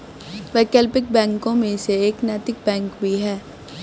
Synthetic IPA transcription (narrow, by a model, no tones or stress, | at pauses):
ʋɛkəlpɪk̚bɛ̃ːŋkõmẽseeːknɛːt̪ɪk̚bɛ̃ːŋkbʱiɦɛː